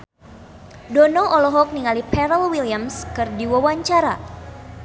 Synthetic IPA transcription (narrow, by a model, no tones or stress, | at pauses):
dɔnɔʔɔlɔɦɔk̚niŋalipɛɾəlwiliamskɨrdiwawaɲt͡ʃaɾa